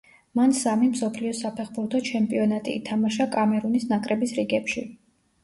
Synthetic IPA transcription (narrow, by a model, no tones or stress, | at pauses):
mansamimsɔpʰliɔsapʰɛχbuɾt̪ʰɔt͡ʃʰɛmpʼiɔnat̪ʼḭːt̪ʰamaʃakʼamɛɾunisnakʼɾɛbisɾiɡɛpʃi